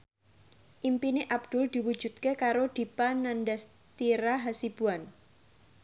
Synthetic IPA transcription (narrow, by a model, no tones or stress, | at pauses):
ʔimpineʔab̚d̪̥ʊ̤ld̪̥i̤wud̥d͡ʒ̥ṳt̪̚kekaɾod̪̥i̤panandas | t̪iɾaɦasib̥uan